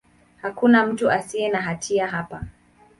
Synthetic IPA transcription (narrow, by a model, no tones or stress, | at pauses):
hakunam̩tuʔasiɛnaɦatʰiaɦapa